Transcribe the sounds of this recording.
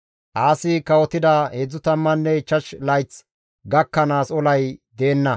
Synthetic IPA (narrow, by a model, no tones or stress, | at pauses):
ʔaːsɪkɐwɔt̪ɪd̪aheːd͡zːʊt̪ɐmːɐnːɛt͡ʃːɐt͡ʃlɐjt͡s | ɡɐkːɐnaːsɔlɐjd̪eːnːɐ